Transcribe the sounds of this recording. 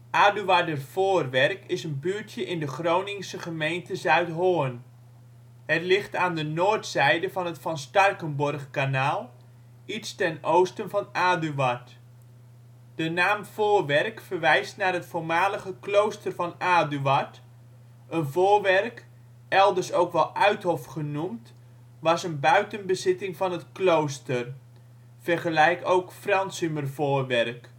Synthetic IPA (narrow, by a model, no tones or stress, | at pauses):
ʔaːdyʋadərv̥oːrʋɛrkɪsənbyːɹtʰjəʔɪndəχrownɪŋsəχəmejntəzœɥtɦoːən | hətlɪχtaːndənoːɹtsɛjdəvɑnətfɑnstɑrkənbɔrχkanaːlˠ | itstɛnowstənvɑnaːdyʋat | d̥ənaːmv̥oːrʋɛrkfərʋɛjstnaːrɦətfoːrmaːləɣəklowstərvɑnaːdyʋɑt | ʔənvoːrʋɛrk | ʔɛlˠdərsowkʋɛlˠʔœɥthɔfχənumt | ʋɑsənbœɥtənbəzɪtɪŋvɑnətklowstər | fərχəlɛjkowkfrɑnsymərvoːrʋɛrk